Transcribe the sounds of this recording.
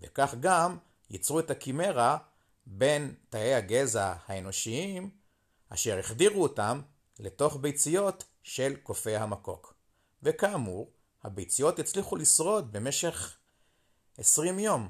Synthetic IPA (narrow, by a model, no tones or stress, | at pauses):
vḛkaχɡam | jḭt͡sʁue̞takime̞ʁa | be̞ntaejhaɡe̞zahaeno̞ʃiim | a̰ʃe̞ʁeχdiʁuotam | le̞to̞χbe̞jt͡sijo̞t | ʃe̞lko̞fe̞jhamako̞̰k | vekaːmuʁ | habejt͡sijo̞tjit͡sliχulisʁo̞t̚be̞me̞ʃe̞χ | esʁimjo̞m